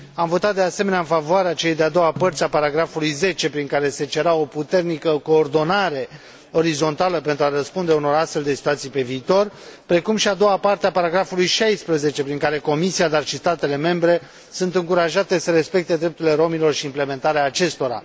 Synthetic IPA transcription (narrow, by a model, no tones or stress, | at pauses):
amvo̞t̪at̪̚d̪e̞ase̞me̞neaɨnfavoaɾeat͡ʃelejd̪ead̪o̞wapərt̪sʲapaɾaɡɾafulujze̞t͡ʃe̞pɾiŋkaɾe̞se̞t͡ʃe̞ɾao̞put̪e̞rnikəko̞ːrd̪o̞naɾe̞ | o̞ɾizo̞nt̪aləpe̞nt̪ɾuaɾəspund̪e̞uno̞ɾast̪fe̞ld̪e̞si̥t̪uwat̪sijpe̞viːt̪o̞rpɾe̞kumʃiad̪o̞wapart̪eapaɾaɡɾafulujʃajspɾəze̞t͡ʃe̞pɾiŋkaɾe̞ko̞misiad̪arʃist̪at̪e̞le̞me̞mbɾe̞ | sunt̪ɨŋkuɾaʒat̪e̞səɾe̞spe̞kt̪e̞d̪ɾe̞p̚t̪uɾile̞ɾo̞milo̞rʃiːmple̞me̞nt̪aɾeaːt͡ʃe̞st̪o̞ɾa̰